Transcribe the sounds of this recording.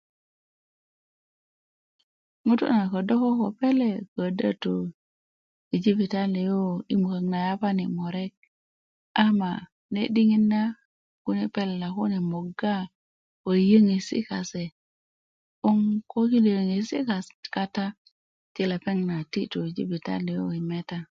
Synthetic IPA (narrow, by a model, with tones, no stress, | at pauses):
mu˦tṵ˦na˨ko˨do˦ko˦ko˨pe˦le˨kə˨də̰˦tu˨ | i˨d͡ʒi˦pi˨ta˦le˨jo˦i˦mu˨ka˨ŋna˨ja˦pa˦ni˨mo˨ɾe˦k̚ | a˦ma̰˨ | ne˦di˦ŋi˦nːa˦ | ku˦ni˨pe˦lːa˨ku˦ni˨mo˨ɡa˦ | ko˨jə˦ŋi˨sḭ˦ka˨se˨ | u˦ŋko˦ki˦li˨jə˨ŋi˨si˦ka˨ka˦ta˦ | ti˦le˨pe˦ŋna˨ti˦tu˨i˨d͡ʒḭ˦pi˨ta̰˦li˨jo̰˦i˨me˦ta˦